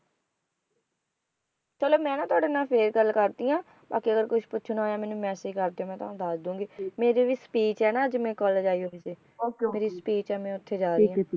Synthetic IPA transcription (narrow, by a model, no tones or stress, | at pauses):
t͡ʃəloːmɛ̃ːnãːt̪ʊaːɖeːnãːpʰeːɾɡəlkəɾd̪iːãː | baːkiːəɡəɾkʊʃʰpʊːʃʰnaːoːjaːmɛ̃ːnũːmɛ̃ːsiːkəɾd̪eːõːmɛ̃ːt̪ãːd̪aːsd̪ũːŋɡiːmeːɾiːʋiːspiːt͡ʃɛːnaːd͡ʒmɛ̃ːkɔːld͡ʒaːiːɦoːiːsiː | meːɾiːspiːt͡ʃɛːmɛ̃ːʊt̪ʰːeːd͡ʒaːɾiiːaː